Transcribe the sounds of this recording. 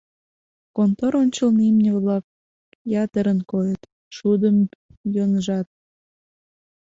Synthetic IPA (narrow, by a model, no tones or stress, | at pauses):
kont̪oɾonʲt͡ɕəlnimnʲəβlɑk̚ | jɑt̪əɾənkojət̪ | ʃud̪əmjonəʒɑt̪̚